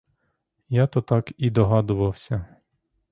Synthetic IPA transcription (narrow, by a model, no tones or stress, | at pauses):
jɑt̪ɔt̪ɑkid̪ɔɦɑd̪ʊʋɐwsʲɐ